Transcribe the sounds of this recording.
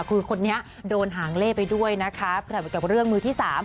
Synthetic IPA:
kʰɯː˧kʰo˧nːi˦˥ɐʔ | doː˧nɦaː˩˦ŋleː˥˩pa˧jdu˥˩əjna˦˥kʰa˦˥pa˨˩ka˨˩p̚ɾɯ˥˩əŋmɯː˧t̪ʰiː˥˩saː˩˦m

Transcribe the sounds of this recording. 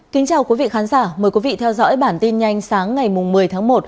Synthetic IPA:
ki˨˦ŋt͡ɕaː˨˩wki˨˦vḭ˧˨xaː˨˦nzaː˧˩məː˨˩jkwi˨˦vḭ˧˨t̪ʰɛ˧wzɔ̰˧˥jɓaː˧˩nt̪i˧nɲa˧jŋ̟saː˨˦ŋːa˨˩jmʊ˨˩ŋ͡mmɨ˨˩əjt̪ʰaː˨˦ŋmo˨˩t̚

